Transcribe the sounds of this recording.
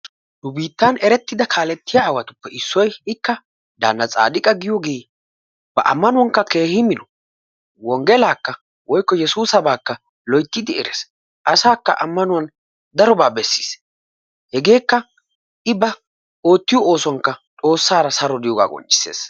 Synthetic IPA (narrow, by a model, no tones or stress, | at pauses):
nʊbiːt̪ːanɛɾɛt̪ːɪd̪ɐkʰaːlɛt̪ːɪjaːwɐt̪ʊpːɛʔɪsːɔjɪkːɐ | d̪a̰ːnːɐt͡sʼa̰ːd̪ɪkʼɐɡɪjɔɡeː | b̥ɐ̰ʔɐ̰mːɐnʊwɐŋkːɐke̞ːhɪmɪnɔ | wɔŋɡɛlaːkːɐ | wɔjkːɔjɛsuːsɐbaːkːɐ | lɔjt̪ːɪd̪ɪɛɾḛs | ʔɐsaːkːɐʔɐmːɐnʊɐn | d̪ɐɾɔbaːbɛsːi̥s | hɛɡe̞ːkːɐ | ʔɪbɐ | o̞ːt̪ːɪjɔʔoːsɔŋkːɐt͡s̪ʼo̞ːsːaːɾɐsɐɾɔd̪ɪjɔɡa̰ːkʼɔ̰nt͡ʃʼːɪ̥sḛːs